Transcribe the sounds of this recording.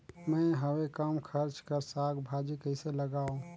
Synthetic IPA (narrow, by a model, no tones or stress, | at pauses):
mə̃ɪɦəwekəmkʰəɾt͡ʃkəɾsaɡbʱad͡ʒikəɪseləɡaũ